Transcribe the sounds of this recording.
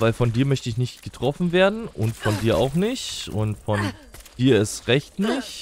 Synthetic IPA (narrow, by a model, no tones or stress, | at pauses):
vaɪlfɔndiːɐmœçtəɪçnɪçtɡ̥ətʁ̥ɔfn̩veːɐdn̩ʔʊ̰ntfɔndiːɐʔa̰ʊxnɪçtʊ̰ntfɔnd̥iːɐɪsʁɛçtnɪç